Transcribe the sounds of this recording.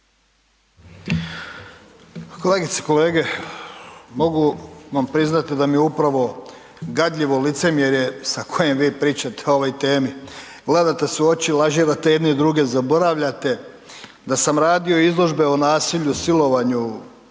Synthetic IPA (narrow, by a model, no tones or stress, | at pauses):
ko̞le̞ːɡit̪se̥ko̞le̞ːɡe̞ | mo̞ɡuʋampɾiznat̪id̪amijeupɾaʋo̞ | ɡad̪ʎʲiʋo̞lit̪se̞mjeɾje̞sakʰo̞je̞mʋiːpɾiːt͡ɕat̪eooʋojt̪eːmi | ɡle̞d̪at̪e̞seot͡ɕilˠaʒiɾat̪ejed̪neid̪ɾuɡe̞zabo̞ɾaʋʎat̪e̞ | d̪asamɾaːd̪io̞izlˠo̞ʒbe̞onaːsiʎusilo̞ʋaɲu